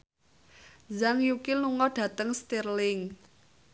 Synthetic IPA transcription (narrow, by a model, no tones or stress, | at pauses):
zaŋjukiluŋɔɖ̥ä̤t̪əŋst̪irlɪŋ